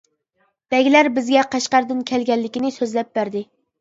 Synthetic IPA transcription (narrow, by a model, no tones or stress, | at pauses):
b̥ɛɡʲilæɾbɪzɡʲɛqɑʃqɑɾd̪ɨnkʲʰɛlɡʲɛlːɪkʲinɪsøzlɛp̚bæɾd̪ɪ